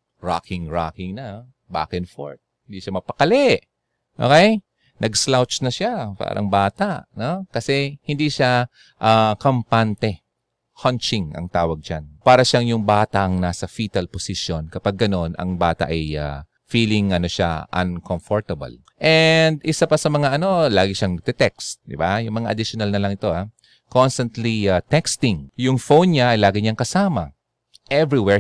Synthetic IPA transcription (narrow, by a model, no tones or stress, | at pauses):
ɹa̰kɪŋɹakɪŋnɐ | ba̰ːkɪnfo̰ɹt̪̚hɪnd̪iʃamɐpɐkɐlɛʔ | ʔo̰ːkɛj | nʔɐɡslawt͡ʃnɐʃapa̰ːɾʔɐ̰ŋbaːt̪ɐʔno̞kɐsɛhɪnd̪iʃa | ʔakɐmpant̪ɛ | hɐnt͡ʃɪŋɐ̰ŋt̪aːwɐɡ̚d͡ʒanpaːɾɐʃaŋjʊŋbaːt̪ɐʔɐŋnaːsɐfiːt̪ɐlposɪʃjo̞nkɐpaɡ̚ːɐno̞nɐ̰ŋbaːt̪ɐ̰ʔɐja̰ | fiːlɪŋʔɐno̞ʃa̰ʔɐ̰nkomfoɹt̪ɐbɐ̰l | ʔɛnd̪ʔɪsapɐsɐmɐŋaʔɐno̞laːɡɪʃaŋt̪ɛt̪ɛkst̪̚d̪ɪbajʊŋmɐŋaʔɐd̪ɪʃjonɐlnɐlɐŋɪt̪o̞ʔa | konst̪ɐnt̪liat̪ɛkst̪ɪŋjʊŋfownɲaʔɐjlaːɡɪɲaŋkɐsaːmɐ̰ | ʔɛvɹiwɛɹ